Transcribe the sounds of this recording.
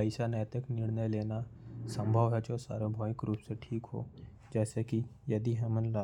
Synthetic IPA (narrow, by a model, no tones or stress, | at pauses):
pəɪʃanɛːt̪əknɪɽnəjleːnasə̃mbʱəʋɦɛd͡ʒoːsa̰ːɾebʱɔːɪkɾuːpseʈʰiːkɦo̰ː | d͡ʒɛːseki | jɐd̪iɦɐmənla